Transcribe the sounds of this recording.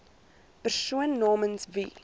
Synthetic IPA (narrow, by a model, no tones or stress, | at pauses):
pərsuənːɑːmənsvi